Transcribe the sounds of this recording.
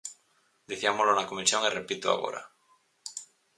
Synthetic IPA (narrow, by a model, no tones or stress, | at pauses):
d̪iθiamolonakomisjoŋirepit̪oa̰ɣo̰ɾa̰